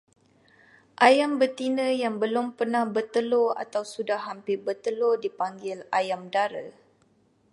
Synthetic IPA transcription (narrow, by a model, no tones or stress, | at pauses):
ʔajambət̪inə̃jaŋbəlʊmpərnahbət̪əloa̰t̪awsudahampɪrbət̪əlodipaŋɡɪlajamdaɾə